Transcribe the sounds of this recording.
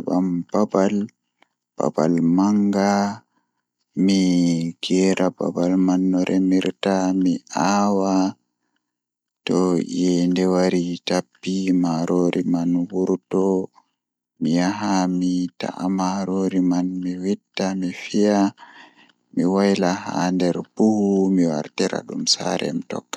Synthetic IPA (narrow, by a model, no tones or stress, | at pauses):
ɓa̰mb̥abal | b̥a̰ba̰lmaŋɡa | miɡ̥ɛːɾaba̰balmanːɔɾʔɛmiɾtamiʔawa | tɔjɛndɛwaɾitapːimaɾʔoːɾʔimanwuɾtɔ | mijaɦamita̰ʔamaɾoɾimanmiwitːamifija | miwajlaha̰ndɛɾbuhumiwa̰ɾtɛɾa̰ɗumsa̰ɾɛ̰mitɔ̰kːḁ